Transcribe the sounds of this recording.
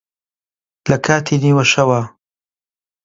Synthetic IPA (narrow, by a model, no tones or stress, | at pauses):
lɐkʰaːt̪ʰiːniːwɐʃɐwaː